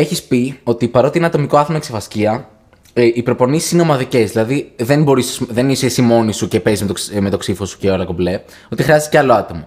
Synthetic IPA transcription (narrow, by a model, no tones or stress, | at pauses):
e̞çispio̞t̪ipɐɾo̞t̪ienɐt̪o̞miko̞ɐθomɐksevɐsciɐ | ʔipɾo̞po̞nisi̥sino̞mɐðice̞zðilɐðiðenbo̞ɾisesðe̞nisesimo̞nisuce̞pezzmet̪ome̞t̪o̞ksifo̞su̥ceolɐkoble̞ | o̞t̪ixɾiɐzsceɐlo̞ɐt̪o̞mo